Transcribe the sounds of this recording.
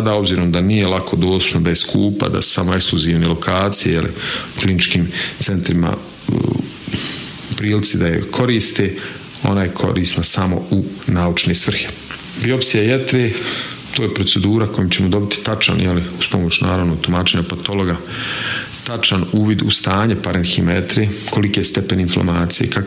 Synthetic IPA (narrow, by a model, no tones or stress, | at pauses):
sad̪aːo̞bziːɾo̞md̪anijelˠakʰo̞d̪o̞ːst̪u̥pnod̪aje̞skʰuːpa̰d̪a̰su̥samoe̞kskluziːʋnelo̞kʰaːt̪sijejelḭuklinit͡ʃkiːmt̪se̞nt̪ɾima̰ | upɾiːlit̪sid̪aje̞̰kʰo̞ɾiːst̪e | o̞̰najekʰo̞̰ɾiːsnasamo̞̰unaːut͡ʃneːsʋr̩xe̥ | biopsijajet̪ɾeː | t̪oːjepɾo̞t̪se̞d̪uːɾako̞jimt͡ɕe̞mo̞d̪o̞bit̪i̥t̪at͡ʃa̰njeliuspomot͡ɕuna̰ːɾaʋnoɡt̪umaːt͡ʃeɲapat̪o̞lˠo̞ɡa | t̪at͡ʃanuːʋid̪ust̪aːɲepaɾenximajet̪ɾeko̞likojest̪epe̞ninfla̰maːt̪sijḛkak